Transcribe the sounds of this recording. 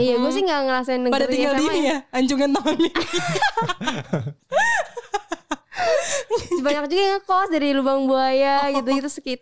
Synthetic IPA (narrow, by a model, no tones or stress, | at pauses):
ijaɡuas̬ɪhŋɡaŋəɾasanəɡpadaliɡaldimaijaaɲt͡ʃuŋant̪aɦɔni | sibaɲak̚d͡ʒuɡaŋəkɔsdaɾilubaŋbuajaɡit̪̬uɡit̪usəkit̪̚